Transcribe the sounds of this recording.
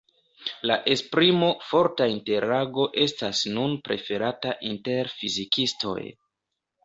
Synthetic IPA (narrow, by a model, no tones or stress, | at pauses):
laʔe̞spɾimo̞fo̞ɾtainte̞ɾaɡo̞ʔe̞stasnunpɾʔe̞fe̞ɾataʔinte̞ɾfizikisto̞̰j